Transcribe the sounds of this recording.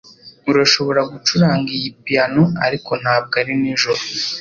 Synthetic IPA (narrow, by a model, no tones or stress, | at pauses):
uɾaʃo̞βo̞ɾaɡut͡ʃuɾaːŋɡijipijanoa̰ɾiko̞n̥haːb̚ɡaɾiniʒoɾo